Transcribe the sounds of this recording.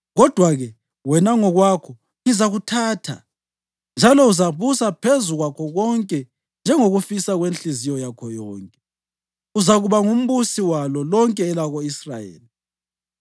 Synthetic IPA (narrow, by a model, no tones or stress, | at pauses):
ɣɔd̥ʱwaɣɛ | wɛnaŋɔɣwakʰɔ | ŋizaɣutʰaːtʰa̰ | nd͡ʒʱalɔuzaβusapʰezuɣwakʰɔɣɔŋkʼɛ | nd͡ʒʱɛŋoɣufisaɣwenɬizijɔjakʰɔjɔːŋkʼɛ | uzaɣuβaŋum̩βusiwalɔlɔŋkʼɛːlaɣoisra̰jḛːli